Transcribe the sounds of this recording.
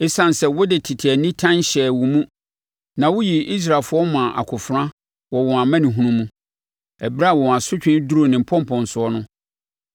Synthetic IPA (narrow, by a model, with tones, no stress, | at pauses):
e˦sã˨n˨sɛ˨wʊ˦dɪ˨tʰɪ˨tʰi˨ɛ˨nĩ˦tʰã˦nɕɛ˨wʊ˨mũ˦ | nã˨wʊ˦ji˨i˦s̬ɾa˨lfʊ˦ɔ˦mʊ̃˨a˨ʔa̰˨kʰʊ˨fɾã˦ | wɔ˨wɔ̃˨a˨mæ̃˦nĩ˨ɦũ˦nũ˦mũ˦ | ɛ˨bɾa˦˨wɔ˨wɔ̃˨a˨sʊ˦t͡ɕᶣɪ̃˦du˦ɾo˨nɪ̃˨m̩˨pʰɔ̃˦m˦pʰɔ̃˨n˨sʊ˨ɔ˦nʊ̃˦